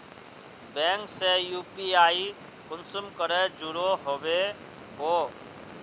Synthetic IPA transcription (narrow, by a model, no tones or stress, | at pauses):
bɛ̃ːŋksejuːpiaːi | kʊnsʊmkəɾed͡ʒʊɾoɦoːbe | ɦoː